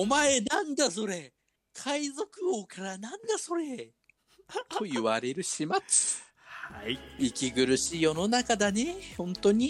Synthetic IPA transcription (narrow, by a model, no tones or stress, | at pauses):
omaenãnd̪aso̞ɾe̞ | kʰaizo̞kɯ̟hoːkaɾanãnd̪aso̞ɾe̞ | t̪ojɯβaɾe̞ɾɯ̟ɕimat͡sɨ̥ | haiikʲiɡɯ̟ɾɯ̟ɕiːjo̞no̞nakad̪anehõ̞nt̪o̞ɲ̟i